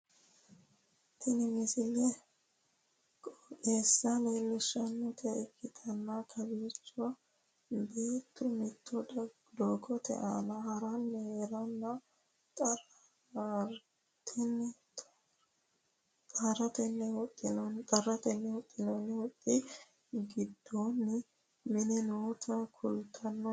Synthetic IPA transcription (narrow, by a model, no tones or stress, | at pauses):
t̪ʰɪnɪmɪsɪlɛ | kʼkeːsːɐleːlːɛʃːɐnːɔt̪ʰɛɪkʰːɪt̪ʰɐnːakʰɐbiːt͡ʃːʊɐ | beːt̪ːʊmɪt̪ːɔd | d̪oːkːɔt̪ʰɛ̰ʔa̰nɐhɐɾɐnːɛheːɾɐnːɐ | t̪ʼɐ | ɾ | t̪ʰɛnːɛt | t̪ʼɐɾɐt̪ɛnːɛwʊt̪ʼːɪnɔnt̪ʼɐɾːɐt̪ɛnːɛwʊt̪ʼːɪnɔnɪwʊt̪ʼːɪ | ɡɪd̪ːonː | mɪnɪnoːt̪ʰɐkʰʊlt̪ʰːɐnːɔ